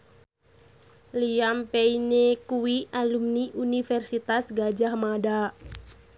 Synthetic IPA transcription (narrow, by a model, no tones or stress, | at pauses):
liampɛinekuwialumniʔunifɛrsit̪asɡad͡ʒahmada